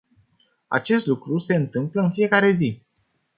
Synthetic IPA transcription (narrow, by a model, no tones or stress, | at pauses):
a̰t͡ʃe̞st̪lukɾuse̞ɨnt̪ɨmpləɨnfije̞kaɾe̞zi